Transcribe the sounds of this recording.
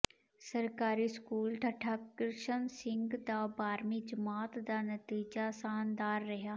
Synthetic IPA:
sɐɾkaːɾiskuːlʈʰɐʈʰakɾɪʃənsɪ̃ŋɡd̪abaːɾmid͡ʒɐmaːt̪d̪anɐt̪iːd͡ʒasaːnd̪aːɾːɐɦjaː

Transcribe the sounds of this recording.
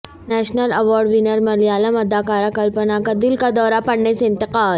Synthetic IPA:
nɛːʃnəlɐʋɔːɾɖʋɪnəɾmɐɾlijaːlamɐd̪aːkaːɾakɐlpənakad̪ɪlkad̪ɔːɾapɐɽneseɪ̃nt̪ɪqaːl

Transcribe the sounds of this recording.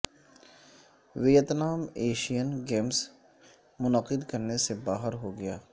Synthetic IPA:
ʋejət̪naːmeːʃijənɡeːms | mʊnəqɪd̪kɐɾnesebaːɦəɾɦoɡɐjaː

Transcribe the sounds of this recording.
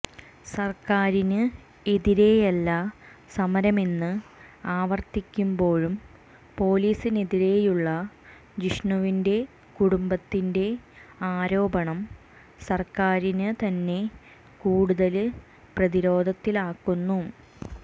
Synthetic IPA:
sɐrkaːɾinɨ | eðiɾeːjɐlːɐ | sɐmɐɾɐme̞nːɨaːʋɐrt̪ikʲːumbo̞ːɻum | po̞ːliːsineðiɾe̞juɭːɐ | d͡ʑiʂɳɐʋinde̞ | kuɽumbɐt̪ːinde̞aːɾo̞ːbɐɳɐm | sɐrkaːɾinɨt̪ɐnːe̞ | kuːɽuðɐlɨ | prɐðiɾo̞ːd̪ʱɐt̪ːilaːkːunːu

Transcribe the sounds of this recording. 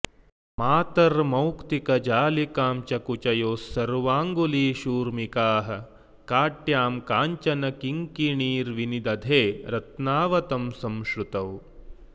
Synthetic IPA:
maːt̪ɐɾmɐwkt̪ikɐd͡ʒaːlikaːmt͡ʃɐkut͡ʃɐjoːsːɐɾʋaːŋɡuliːʃuːɾmikaːɦɐ̆ | kaːʈjaːmkaːɲt͡ʃɐnɐkiŋkiɳiːɾʋinid̪ɐd̪ʱeːɾɐt̪naːʋɐt̪ɐmsɐmʃɾut̪ɐw

